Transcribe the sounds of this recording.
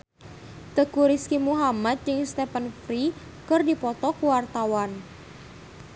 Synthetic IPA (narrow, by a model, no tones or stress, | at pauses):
t̪əkuɾiskimuɦamat̪̚jɪŋst̪ɛpənfɾi | kərdipɔt̪ɔkuwart̪awan